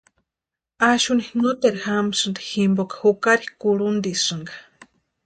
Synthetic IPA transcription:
aʃunihŋɨt̪eɾhamsɨnd̪i̥himbokḁhukaɾihkuɾund̪isʂɨŋɡḁ

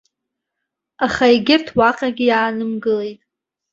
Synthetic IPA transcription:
aχaiɡʲɪrtʰwaqʼaɡʲɪjaːnɨmɡɨle̞jtʼ

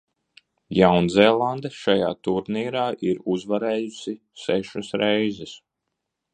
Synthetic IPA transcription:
jawnzɛlˠand̪eʃaja̰ːt̪uɾniːɾaːʔiɾuzvaɾɛːjusi | sɛʃasɾɛjzɛs

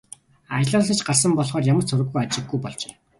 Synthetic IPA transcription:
ajə̆ɮɔːɮĭt͡ɕɢars̬ə̆mpɔɮχɔːrjamə̆rt͡sʰɵɾɘ̆ɣːujat͡ɕɪ̆ɡːujpɔɮt͡ɕeː

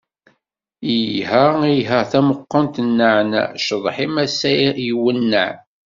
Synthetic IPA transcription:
ijɦəiɦəʁθæməqːənt̪ənːaʕnæ̰ʃəðˤħimæsæjwənːəʕ

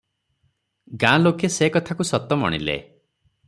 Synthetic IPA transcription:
ɡãlokesekɔt̪ʰakusɔt̪ɔmɔ̰ɽ̃ḭlḛ

